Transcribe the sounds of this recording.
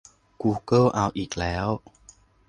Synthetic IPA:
kuː˧kɤː˥˧˩ʔaː˧˩wʔiː˨˩k̚lɛː˨˦˥w

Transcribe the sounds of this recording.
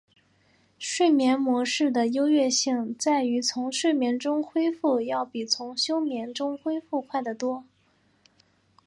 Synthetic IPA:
ʂwe˥˩ɪmjɛ˧˥nmwɔ˧˥ʂɻ̩˥˩d̪ə˩jo˥ʊɥɛ˥˧ɕi˥˩ŋt͡sa˥˩ɪy˧˥t͡sʰʊ˧˥ŋʂwe˥˩ɪmjɛ˧˥nʈ͡ʂʊ˥ŋxwe˥ɪfu˥˧jɑ˥˩ʊpi˨˩t͡sʰʊ˧˥ŋɕjo˥ʊmjɛ˧˥nʈ͡ʂʊ˥ŋxwe˥ɪfu˥˧kʰwa˥˩ɪd̪ə˩t̪wɔ˥

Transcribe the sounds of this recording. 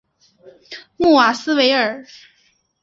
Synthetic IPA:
mu˥˩wa˨˩sɹ̩˥we˧˥ɪə˞˨˩˦

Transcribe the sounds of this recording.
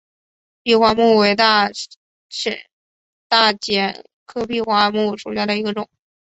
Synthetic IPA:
pi˥˧xwa˥mu˥˩we˧˥ɪt̪a˥˩ | ʂə̰˨˩ | t̪a˥˩t͡ɕjɛ˧˥n | kʰɤ˥pʰi˥˧xwa˥˧mu˥˩ʂu˨˩ɕja˥d̪ə˩i˧˥ɡə˧ʈ͡ʂʊ˨˩˦ŋ

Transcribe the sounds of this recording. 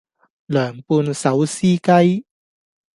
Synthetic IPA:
lœː˨˩ŋpuː˧nsɐ˨˥wsiː˥kɐ˥j

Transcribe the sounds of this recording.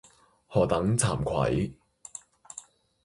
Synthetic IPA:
hɔː˨t̪ɐ˨˥ŋt͡sʰaː˨˩mkʰɐ̰˨˥j

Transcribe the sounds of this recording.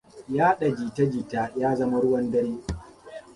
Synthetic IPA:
jaː˦ɗa˨d͡ʒiː˨ta˦d͡ʒiː˨taː˦jaː˦zɐ˦ma˦ɽʊ˦wɐ˦ndɐ˦ɽiː˦

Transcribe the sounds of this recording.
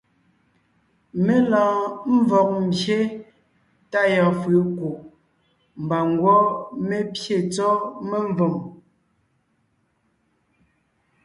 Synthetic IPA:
me˦lɔ̃ː˨m̩˦vɔ˨k̚m̩˨bje˦ | ta˦˨jɔ˨fə˨˦ko˨ | m˨ba˨ŋ˦ɡwɔ˦me˦pje˦˨t͡sɔ˦me˦ɱ˦vo˨m

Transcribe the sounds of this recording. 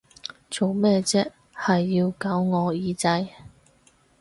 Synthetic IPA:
t͡so˨˩wmɛː˥˧t͡sɛː˥ | hɐ˨jːiː˧wkaː˨˥wŋɔː˨˧jiː˨˧t͡sɐ˧j

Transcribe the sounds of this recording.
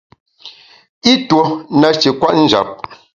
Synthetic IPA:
i˦two˨na˨t͡ʃi˨kwa˦ʔn̩˦d͡ʒa̰˨p̚

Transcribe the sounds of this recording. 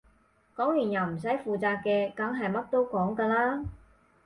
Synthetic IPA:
kɔː˨˥ŋjyː˨˩njɐ˨˩wm̩˨˩s̬ɐ˨˥jfuː˨t͡saː˧k̚kɛː˧kɐ˨˥ŋɦɐ˨jmɐ˥t̚t̪o˥wkɔː˨˥ŋkaː˧laː˥

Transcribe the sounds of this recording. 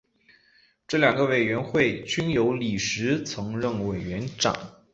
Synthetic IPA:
ʈ͡ʂɤ˥˩ljɑ˨˩ŋɡə˦we˨˩ɪɥɛ˧˥nxwe˥˩ɪt͡ɕy˥njo˧˥ʊli˨˩ʂɻ̩˧˥t͡sʰɤ˧˥ŋɻə˥˩ŋwe˨˩ɪɥɛ˧˥nʈ͡ʂa̰˨˩˦n

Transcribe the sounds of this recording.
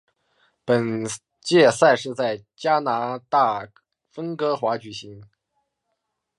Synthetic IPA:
pə˨˩n | t͡ɕjɛ˥˧sa˥˧ɪʂɻ̩˥˧t͡sa˥˩ɪt͡ɕja˥na˧˥t̪a˥˩ | fə˥ŋkɤ˧˥xwa˧˥t͡ɕy˨˩ɕi˧˥ŋ

